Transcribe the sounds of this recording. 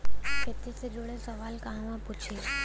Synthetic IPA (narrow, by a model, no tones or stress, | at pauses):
kʰeːt̪ised͡ʒoɽesəʋalkaɦʋãpʊt͡ʃʰit͡ʃ